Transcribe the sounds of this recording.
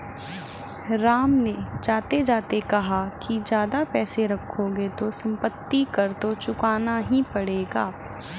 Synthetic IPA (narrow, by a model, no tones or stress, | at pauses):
ɾaːmned͡ʒaːt̪ed͡ʒaːt̪ekɐɦakid͡ʒjaːd̪apɛːseɾɐkʰːoɡet̪osɐ̃mpət̪ːikɐɾt̪ot͡ʃʊkaːnaɦĩpɐɽeːɡaː